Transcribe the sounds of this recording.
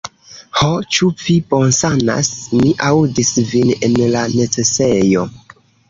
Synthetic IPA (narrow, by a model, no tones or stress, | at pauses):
hot͡ʃuvipo̞nsana̰smiʔawdisvinenlane̞t͡se̞sejo̞